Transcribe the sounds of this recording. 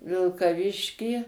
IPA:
ʋʲɪlˠkɐˈʋʲɪʃʲkʲiː

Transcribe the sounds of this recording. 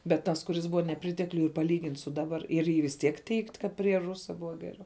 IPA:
bʲɛt ˈtɐs kʊˈrʲɪs ˈbʊʋɐ nʲɛˈpʲrʲɪtʲɛklʲʊj ɪr pɐˈlʲiːɡʲɪnʲtʲ sʊ ˈdɑːbɐr ɪr ˈiː ʋʲɪs ˈtʲiɛk tʲɛɪktʲ ˈkɐt pʲrʲiɛ ˈrʊsɐ ˈbʊʋɐ ˈɡʲæːrʲɛʊ

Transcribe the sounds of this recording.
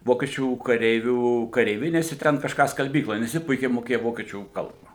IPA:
ˈʋoːkʲiɛt͡ʃʲuː kɐˈrʲɛɪʋʲuː kɐrʲɛɪˈʋʲɪnʲeːsʲɛ ˈtʲɛn kɐʃˈkɑː skɐlʲˈbʲiːklˠoːj nʲɛs ˈjɪ ˈpʊɪkʲɛɪ moːˈkʲeːjɛ ˈʋoːkʲiɛt͡ʃʲuː ˈkɐlˠbɐ

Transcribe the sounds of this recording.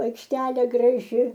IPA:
ɐɪkʃʲˈtʲæːlʲeː ɡrɐˈʒʲɪ

